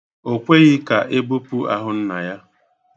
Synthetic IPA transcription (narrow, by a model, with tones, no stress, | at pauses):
o˨kʷe˦ɣɪ˦ka˨ʔe˦bu˦pu˦a̰˦ɦʊ˦n̩˦na˨ja˦